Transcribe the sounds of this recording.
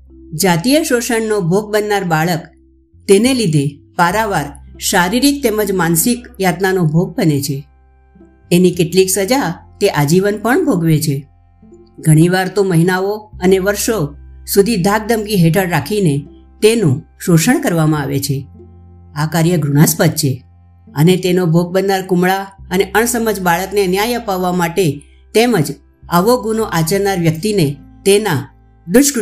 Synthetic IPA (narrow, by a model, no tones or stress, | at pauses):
d͡ʒat̪ijəʃoʃəɳnobʱoɡ̚bənːaɾbaɭək | t̪enelid̪ʱepaɾaʋaɾʃaɾiɾik̚t̪eməd͡ʒmansikjat̪nanobʱoɡ̚bənet͡ʃʰe | nikɪʈliksəd͡ʒat̪eʔad͡ʒiʋənpəɳbʱoɡʋet͡ʃʰe | ɡʱəɽ̃iʋaɾt̪oməɦinaoəneʋəɾʃosud̪ʱid̪ʱaɡ̚d̪əmkiɦeʈʰəɽɾakʰine | t̪enũʃoʃəɳkəɾʋamãaʋet͡ʃʰe | akaɾjəɡɾuɽ̃aspəd̪̚t͡ʃʰe | ənet̪enobʱoɡ̚bənːaɾkumɭaəneʔəɳsəməd͡ʒbaɭəknenjajəpaʋːamaʈe | t̪eməd͡ʒ | aʋoɡunoʔat͡ʃəɾnaɾʋjəkt̪inet̪ena | d̪ʊʃk